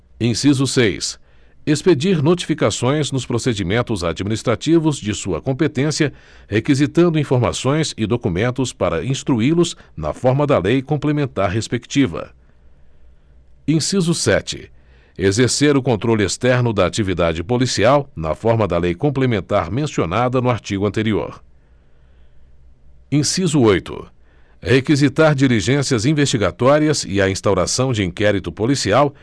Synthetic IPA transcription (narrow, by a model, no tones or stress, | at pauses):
ẽsizʊsejs | esped͡ʒiɾnot͡ʃi̥fikasõj̃znʊspɾosed͡ʒimẽnt̪ʊzad͡ʒminist̪ɾat͡ʃivʊzd͡ʒɪsuɐkõpet̪ẽsiɐ | hekizit̪ɐ̃nd̪ʊĩfoɾma̰sõj̃sɪd̪okumẽnt̪ʊspaɾɐĩst̪ɾuilʊznɐ̰fɔɾmɐd̪ɐlejkõplemẽnt̪aɾɦespekt͡ʃivɐ̰ | ẽsizʊsɛ̰t͡ʃɪ̰ | ezeɾseɾʊkõnt̪ɾolʊest̪ɛɾnʊd̪ɐːt͡ʃivid̪ad͡ʒɪpolisiawnɐ̰fɔɾmɐd̪ɐlejkõmplemẽnt̪aɾmẽsionad̪ɐnʊaɾt͡ʃiɡʊɐ̃nt̪eɾio̰ɾ | ẽsizʊojt̪ʊ̰ | hekizit̪aɾd͡ʒiliʒẽsiɐzĩvest͡ʃiɡat̪ɔɾiɐzɪ̰ɐĩst̪awɾasɐ̃w̃d͡ʒɪĩkɛɾit̪ʊpolisiaw